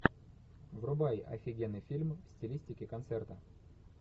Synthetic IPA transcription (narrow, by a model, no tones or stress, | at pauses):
vrʊbajɐ̰fʲɪɡʲenːɨjfʲilʲmfsʲtʲɪlʲisʲtʲɪkʲɪkɐnt̪sɛrt̪ə